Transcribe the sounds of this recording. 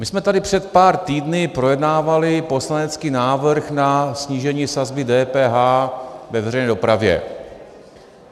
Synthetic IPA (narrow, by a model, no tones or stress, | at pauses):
mɪsmɛt̪adɪpr̝̥ɛt̪̚paːɾt̪iːdnɪpɾo̞jɛdnaːvalɪpo̞slanɛt͡skiːnaːvr̩xnasɲiːʒɛɲiːsazbɪdɛːpɛːɦaːvɛvɛrɛjnɛːdo̞pɾavjɛ̰